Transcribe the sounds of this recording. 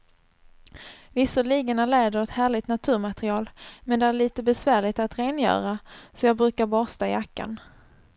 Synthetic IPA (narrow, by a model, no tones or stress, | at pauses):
vɪsɔɭiːɡənæɭeːd̪əɾɔt̪hæːɭɪt̪nat̪ʰʉ̟ːɾmat̪ɾɪɑːlmɛnd̪ɛæɾɭiːt̪əbɛsvæːɭɪt̪at̪ɾeːnjœ̰ːɾasɔjɑːɡbɾʉ̟ːkaɾbɔːst̪aɪjakːa̰n